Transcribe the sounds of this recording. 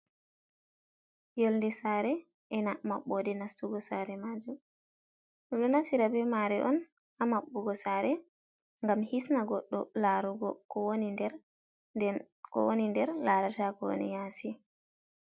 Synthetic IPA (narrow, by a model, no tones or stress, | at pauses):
jɔlndɛsaɾɛ | ʔɛnamaɓːɔdɛnastuɡɔsaɾɛmad͡ʒum | ɗɔɗɔnasiɾabɛmaɾɛʔɔn | amaɓːuɡɔsaːɾɛ | ŋɡamhisnaɡɔɗːɔ̰laɾuɡɔkɔwonindɛɾ | d | kɔ̰wonindɛɾlaɾatakɔwo̰nḭjasi